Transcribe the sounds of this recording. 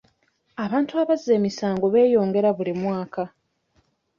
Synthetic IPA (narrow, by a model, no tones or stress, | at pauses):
aβaːntuaβazːe̞ːmisaːŋɡo̞βe̞ːjo̞ːŋɡe̞ɾaβulimwaːka